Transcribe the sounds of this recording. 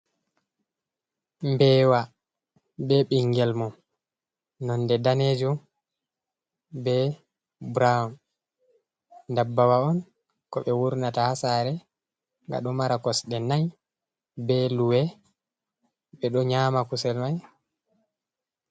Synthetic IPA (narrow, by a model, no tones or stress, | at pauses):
mbɛːwa | bɛɓiŋɡɛlmɔ | nɔndɛdaned͡ʒɔ | bɛ | bɾaɔn | dabːawaɔn | kɔɓɛwuɾnatahasaɾɛ | ŋɡa̰ɗɔmaɾakɔsɗɛnaj | bɛluwɛ | ɓɛɗɔɲamakusɛlmaj